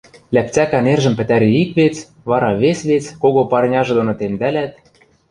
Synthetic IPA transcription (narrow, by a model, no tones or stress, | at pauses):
lʲæp̚t͡sækænerʒɘ̆mpɘ̆t̪æɾeikβet͡s | βɑɾɑβesβet͡skoɣopɑrnʲɑʒĕd̪onot̪emd̪ælæt̪